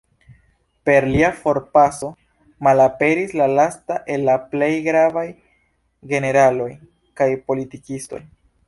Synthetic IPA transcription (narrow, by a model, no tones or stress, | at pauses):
pe̞ɾliafo̞ɾpaso̞ | malape̞ɾislalastaʔe̞lːaple̞jɡɾavaj | ɡe̞ne̞ɾalo̞j | kajpo̞litikisto̞̰j